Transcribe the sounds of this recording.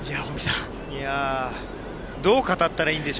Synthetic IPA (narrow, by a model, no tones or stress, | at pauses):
ijaomʲisã | ja | d̪oːkat̪at̪ːaɾaĩːnd̪e̞ɕ